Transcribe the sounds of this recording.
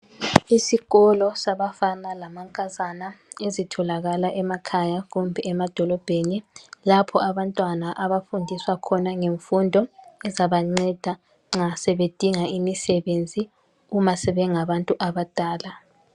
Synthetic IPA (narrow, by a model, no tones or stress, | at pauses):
isiɣɔlɔsaβafanalamaŋkʼazanaezitʰɔlaɣalaʔɛmakʰajaɣumbʱɛɛmad̥ʱɔlɔb̥ʱenilapʰɔaβantʼwanaʔaβafundʱiswakʰɔnaŋeɱfundʱɔɛzaβaŋ͡ǀɛd̥ʱa | ŋ͡ǁasɛβed̥ʱiŋaimisɛβend͡zʱi | umasɛβɛŋaβantʼuʔaβad̥ʱʼaːla